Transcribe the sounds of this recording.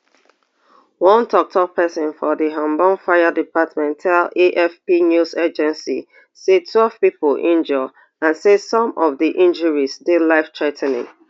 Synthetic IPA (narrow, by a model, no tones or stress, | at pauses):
wɔ̃ntʰɔk̚tʰɔpʰɛsɔ̃nfɔðiɦɔ̃mbɔ̃nfaɪədipatmɛ̃ntʰaleʔɛfpinjusɛd͡ʒɛ̃nsḭ | setʰwɛlˠv̥pipəlʔĩnd͡ʒɔ | ãnsedsɔ̃mɔvðiʔĩnd͡ʒəɹisdelaɪftʰɹatʰɛnɪ̰̃ŋ